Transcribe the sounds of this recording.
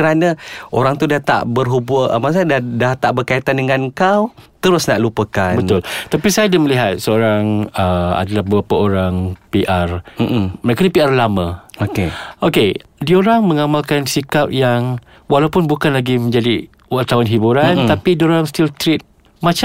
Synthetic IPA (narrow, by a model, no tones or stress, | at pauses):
kəɾanaʔoɾaŋt̪udaht̪a̰ʔbərɦubʊəmas̬adadaht̪aʔbərkait̪andəŋankaw | t̪əɾʊsnaʔlupəkanbənt̪ʊlt̪apisajadaməliɦat̪̚səoɾaŋəa̰dalahbəbɾapaoɾaŋpiʔar̩məɾekaɲapiarlamãokeʔokedioɾaŋmə̃ŋamalkansikap̚jaŋ | walawpʊnbukanlaɡimə̃ɲd͡ʒadi | at̪awanɦibuɾant̪apidioɾaŋst̪ilt̪ɾit̪̚ | mãt͡ʃ